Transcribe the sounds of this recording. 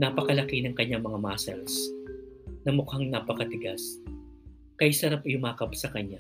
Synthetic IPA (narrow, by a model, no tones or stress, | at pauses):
napɐkɐlɐkinɐŋkɐɲːaŋmɐŋamaːsɛ̰ls | nɐmʊkaŋnapɐkɐt̪ɪɡas | kɐjsɐɾapɪhʊmaːkɐp̚sɐkɐɲːa